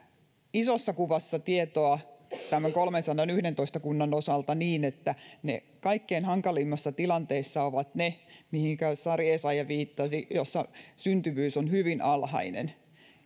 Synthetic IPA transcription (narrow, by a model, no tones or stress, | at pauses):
isosːɑkuʋɑsːɑt̪iet̪oɑt̪æmːæŋkolmensɑnːɑnyhɾent̪oist̪ɑkunːɑnosɑlt̪ɑniːnet̪ːænḛ | kɑikːeinhɑŋkɑlimːɑsːɑt̪ilɑnt̪eːsːɑoʋɑt̪nemihiŋkæsɑrjeːsɑjɑʋiːt̪ːɑsijosːɑsynt̪yʋyːsonhyʋinɑlhɑ̰inḛn